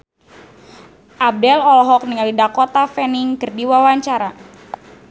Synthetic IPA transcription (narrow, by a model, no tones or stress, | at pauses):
ʔab̚dɛlɔlɔɦɔk̚niŋalidakɔt̪afɛniŋkərdiwawaɲt͡ʃaɾa